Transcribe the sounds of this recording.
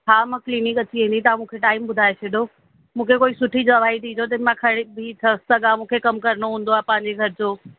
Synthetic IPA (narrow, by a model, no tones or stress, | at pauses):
ɦaːmɐ̃kliːnɪkɐt͡ɕiĩːn̆d̪it̪ɐãmũːkʰeʈaːɪmɓʊd̪ʱaːet͡ɕʰeɗʱo | mũːkʰekoːisʊʈʰid͡ʑɐʋ̤aːit̪ʰiːd͡ʑot̪ɪnmãkʰɐɽ̃ebʱit̪ʰɐst̪ɐɠamũːkʰekɐmkɐɾɽ̃oɦũːn̆d̪oaːpɐ̃ɦɪ̃ɲ̆d͡ʑeɡʱɐɾɪd͡ʑoː